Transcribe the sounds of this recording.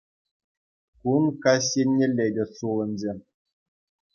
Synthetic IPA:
kumkɑɕ̬jenʲːelʲːedʲĕsulʲˠɤ̆nʲzʲe

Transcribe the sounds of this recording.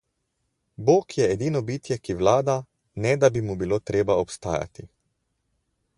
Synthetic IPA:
boːkjɛːd̪iːnɔbiːt̪jɛkiʋlaːd̪a | nɛd̪abimubiloːt̪ɾeːbaɔpst̪a̰ːja̰t̪i

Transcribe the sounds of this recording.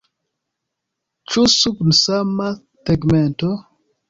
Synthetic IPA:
t͡ʃusuknsama | tɛɡmɛnto

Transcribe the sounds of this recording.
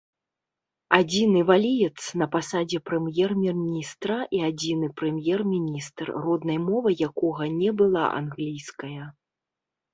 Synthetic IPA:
ad͡zʲinɨvalʲijɛt̪snɐpasad͡zʲɛpɾɛmjɛrmʲɛrmʲnʲist̪ɾɐʔiad͡zʲinɨpɾɛmʲjɛrmʲinʲist̪rrɔd̪nɐjmɔvɨjakɔɣɐnʲɛbɨlˠa̰ʔa̰nɣlʲijskɐjɐ

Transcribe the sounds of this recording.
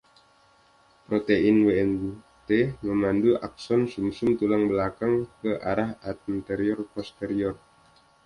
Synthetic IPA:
pɾot̪einweɛn | t̪eməmanduʔa̰k̚sɔnsumsumt̪ulaŋbəlakaŋkəʔaɾaɦat̪̚int̪ɛɾiɔrpɔst̪eɾiɔr

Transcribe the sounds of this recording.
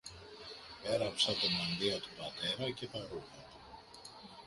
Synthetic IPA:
e̞ɾɐpsɐt̪obɐnd̪iɐt̪ubɐt̪e̞ɾɐce̞θɐɾuxɐt̪o̥

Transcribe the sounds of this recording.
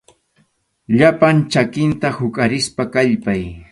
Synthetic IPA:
ʎapant͡ʃakɪnt̪ahʊkʼaɾɪspakaʎpaj

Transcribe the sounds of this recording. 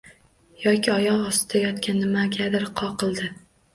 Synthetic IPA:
jɒkʲɪɒjɒʁɒst̪ɪd̪̥ajɒt̪kʲanːɪmaɡʲad̪ɪɾqʰɒqʰɨlˠd̪ɪ

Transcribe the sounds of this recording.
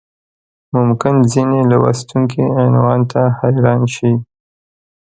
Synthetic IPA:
mʊmkɪnzinelawa̰st̪uŋkʰiɪnwɑnt̪ahajɾɑnʃi

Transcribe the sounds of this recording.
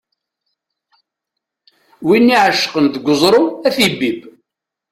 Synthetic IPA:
winːiʕəʃːəqənd̪əɡʷəzˤɾˤʊæθibib

